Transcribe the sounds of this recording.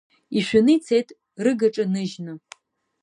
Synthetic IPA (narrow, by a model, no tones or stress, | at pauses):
iʃᶣanɨjt͡sʰejtʼ | rɨɡaʈ͡ʂʼanɨʒnɨ